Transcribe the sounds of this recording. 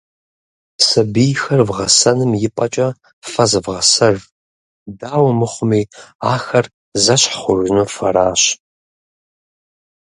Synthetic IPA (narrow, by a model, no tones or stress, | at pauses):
sɐbijxɐrvʁɐsɐnɨmjɪpʼɐt͡ʃʼɐ | fɐzɨvʁɐsɐr | daːwɐmɨχʷʊmiːaːxɐr | zɐɕħχʷʊʒnofɐɾaːɕ